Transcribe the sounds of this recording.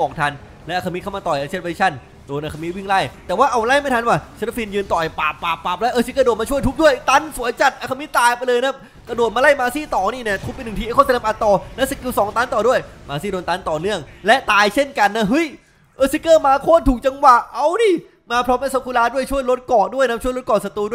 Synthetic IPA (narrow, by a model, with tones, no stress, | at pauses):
kɔː˨˩k̚t̪ʰa˧n | lɛ˦˥ʔa˧kʰa˧mi˦˥kʰa˥˩maː˧t̪ɔː˨˩jʔa˧t͡ɕʰe˧˥˩pa˧i˦˥t͡ɕʰa˧˥˩n | doː˧nʔaː˧˩kʰa˧mi˦˥wi˥˩ŋla˥˩jt̪ɛː˨˩waː˥˩ʔa˧wla˥˩jma˥˩jt̪ʰwaː˧˩sʰɾa˧fiː˧njɯː˧nt̪ɔ˨˩jpaː˨˩pːaː˨˩pːaː˨˩p̚lɛ˦˥ʔɤː˧si˧˦˥kːdoː˨˩t̪̚maː˧t͡ɕʰu˥˩əjt̪ʰu˦˥k̚du˥˩əjt̪a˦˥˩nsu˨˩˦əjt͡ɕa˨˩t̪ʔaː˧kʰa˧mi˦˥t̪ːaː˧jpa˧jlɤː˧jna˦˥p̚ | ka˧doː˨˩t̪̚maː˧la˥˩jmaː˧siː˥˩t̪ɔː˨˩niː˧˩ni˧˩t̪ʰu˦˥pːe˧nː˨˩ŋt̪iː˧˩kʰa˥˩t͡ɕa˧na˦˥pʔaː˧t̪ɔː˧lɛ˦˥sa˧ki˧wsɔː˨˩˦ŋt̪aː˦˥nt̪ɔː˨˩du˥˩əjmaː˧siː˥˩doː˧nt̪aː˦˥nt̪ɔː˨˩nɯ˥˩əŋlɛ˦˥ʔt̪aː˧jt͡ɕʰe˥˩nka˧nːa˦˥ɦɯ˦˥˩j | ʔɤː˧si˦˥kɤː˥˩maː˧kʰoː˥˩nt̪ʰuː˨˩k̚t͡ɕa˧ŋwa˨˩ʔʔa˧wniː˧˥˩ | maː˧pʰɾɔː˦˥mlɛ˦˥sa˧˦˥kʰːu˧laː˦˥˩du˥˩əjt͡ɕʰu˥˩əjlo˦˥t̪̚kɔː˨˩t̚du˥˩əjna˦˥t͡ɕʰu˥˩˨jlo˦˥t̪̚kɔː˨˩sa˧t̪u˧du˥˩